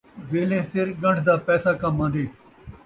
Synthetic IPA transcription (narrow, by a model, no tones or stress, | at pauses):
ʋeːlẽːsɪɾɡə̃ɳʈd̪aːpɛːsaːkãmːãːnd̪eː